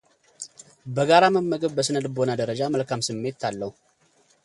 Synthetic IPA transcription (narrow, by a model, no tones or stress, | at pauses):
bəɡaɾaməmːəɡɨβbəsɨnəd̪bo̞nad̪əɾəd͡ʒaməlkamsɨmːe̞t̪ːalːəhu